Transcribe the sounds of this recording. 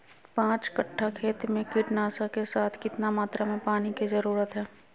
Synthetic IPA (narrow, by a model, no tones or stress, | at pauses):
pãːt͡ʃkəʈʰːakʰeːt̪mẽkɪʈnaːsakesaːt̪ʰkɪt̪namaːt̪ɾamẽpaːnikizəɾuːɾət̪ɦɛː